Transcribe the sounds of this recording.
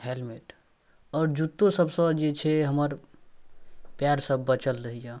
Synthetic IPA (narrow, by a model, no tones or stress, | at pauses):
helmeʈ | ɔːɾd͡ʒut̪ːosəbsə̃d͡ʒet͡ʃʰɛɦəməɾ | pjaɾsəbːət͡ʃəlɾəɦija